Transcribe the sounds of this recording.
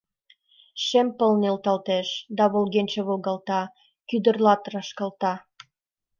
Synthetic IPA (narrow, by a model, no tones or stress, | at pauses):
ʃempɤ̆lnelt̪ɑlt̪eʃd̪ɑβolɣenʲt͡ɕĕβolˠɣɑlt̪ɑ | kyd̪ə̆rlɑt̪rɑʃkɑlt̪ɑ